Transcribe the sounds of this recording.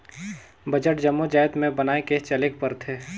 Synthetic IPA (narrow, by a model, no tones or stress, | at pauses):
bəd͡ʒəʈ̚d͡ʒəmːod͡ʒaːjt̪mẽbənaːeket͡ʃəlek̚pəɾt̪ʰeː